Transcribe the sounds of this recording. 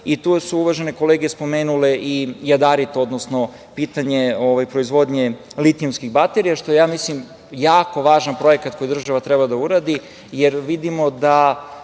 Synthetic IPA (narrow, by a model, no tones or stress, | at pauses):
it̪usuuʋaʒe̞neko̞leɡijespo̞meːnule̞ʔijad̪aɾit̪o̞d̪nosno̞ | piːt̪aɲe̞oʋajpɾo̞izʋo̞d̪ɲe̞ | lit̪iomskiɣbat̪eɾijaʃt̪o̞jejaːmislim | jaːko̞ʋaːʒanpɾo̞jekat̪ko̞jid̪r̩ʒaʋat̪ɾebad̪auɾaːd̪i | jeɾʋid̪imo̞d̪a